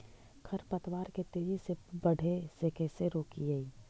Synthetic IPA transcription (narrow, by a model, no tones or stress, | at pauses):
kʰɐɾpɐt̪waːɾket̪eːd͡ʒisebɐɽ̤ʱesekɛːseɾoːkiɡaiː